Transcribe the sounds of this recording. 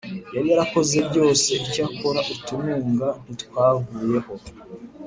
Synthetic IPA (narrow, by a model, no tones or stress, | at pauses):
jaɾijaɾako̞ze̞bɟo̞ːse̞icakoɾaʔitumuːŋɡan̥itwaːɡuːje̞ho̞